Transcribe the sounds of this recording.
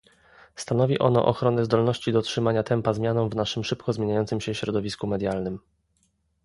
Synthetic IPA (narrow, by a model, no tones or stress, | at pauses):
st̪anɔvʲiʔɔnɔ̰ʔɔxɾɔnɛzd̪ɔlnɔɕt͡ɕid̪ɔtʂɘmaɲat̪ɛmpazmʲjanɔ̃wvnaʂɘmʂɘpkɔzmʲjeɲajɔnt̪sɘmɕɛfɕɾɔd̪ɔvʲiskumɛd̪ʲjalnɘm